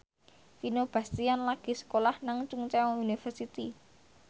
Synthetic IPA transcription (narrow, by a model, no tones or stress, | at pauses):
finob̥a̤st̪ianlaɡ̥i̤sə̥kolahnaŋt͡ʃʊŋt͡ʃɛɔunifərsit̪i